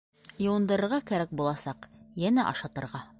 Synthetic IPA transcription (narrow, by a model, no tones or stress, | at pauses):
jɤ̆wɤ̆nd̪ɤ̆ɾɤ̆ɾʁɑkæɾæk̚bulˠɑsɑqjænæʔɒ̰ʃɑt̪ɤ̆ɾʁɑ